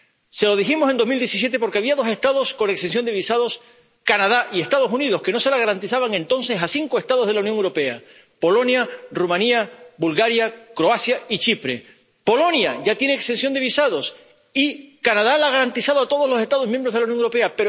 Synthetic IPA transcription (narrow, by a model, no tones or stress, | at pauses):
se̞lo̞ð̞iximoenomild̪je̞sis̬je̞t̪̬e̞po̞ɾke̞aβiaðo̞se̞ht̪aðo̞sko̞nekst̪ens̬jo̞nd̪e̞βisaðo̞s | kanað̞aʔie̞st̪aðo̞suniðo̞ske̞no̞se̞laɣaɾant̪isaβaŋẽ̞nt̪o̞nse̞sasiŋkoe̞st̪að̞oðelaunjoŋewɾo̞pe̞a̰ | po̞lo̞njarumãniabulɣaɾjakɾo̞asjait͡ʃipɾe̞ | po̞lo̞njaʝat̪je̞neːkst̪e̞nsjo̞nd̪e̞βisaðo̞s | ikanað̞alaɣ̞aɾant̪isaðoat̪o̞ð̞o̞zlo̞sest̪að̞o̞mjembɾoðelaunjoŋewɾo̞pe̞ape